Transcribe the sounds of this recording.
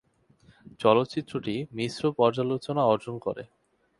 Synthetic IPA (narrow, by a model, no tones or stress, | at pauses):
t͡ɕɔlot̪ːt͡ɕit̪ːɾoʈimisɾopɔɾd͡ʑalot͡ɕonaɔɾd͡ʑonko̰ɾḛ